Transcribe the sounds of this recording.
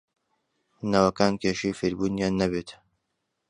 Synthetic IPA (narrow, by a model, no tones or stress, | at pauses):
naːwɐkaːnkʰeːʃiːfiɾbuːnjaːnːɐbeːt̪